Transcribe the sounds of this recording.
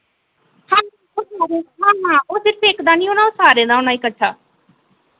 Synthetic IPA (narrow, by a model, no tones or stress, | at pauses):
hãː | oːsaːɾeɦãːɦãːoːsɪɾəfeːkd̪aːnĩːoːnãːoːsaːɾeːd̪aːonaːiːkəːʃʰaː